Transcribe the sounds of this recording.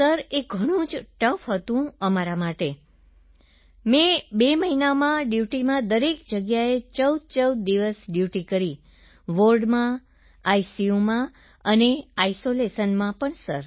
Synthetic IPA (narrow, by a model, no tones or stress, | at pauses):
səɾeɡʱəɽ̃ũd͡ʒʈəfɦət̪ũəmaɾamaʈe | mɛ̃beməɦinamãɖjuʈimãd̪əɾekd͡ʒəɡjaet͡ʃəwd̪̚t͡ʃəwd̪̚ːiʋəsɖjuʈikəɾi | ʋoɾɖmã | ajsiumã | əneajsolesənmãpəɳsəɾ